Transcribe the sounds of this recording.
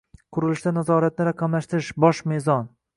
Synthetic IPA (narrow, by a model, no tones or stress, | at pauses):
qʰʊɾɪlɪʃd̪anazɒɾat̪̚nɪɾaqʰɑmlaʃt̪ɪɾɪʃbɒʃmezɒn